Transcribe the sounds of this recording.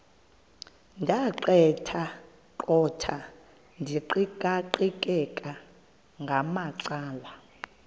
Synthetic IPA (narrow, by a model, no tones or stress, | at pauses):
ndʱaǃɛtʰa | ǃʼɔtʰa | ndʱiǃikʼaǃikʼɛkʼa | ŋɡʱamaǀaːwa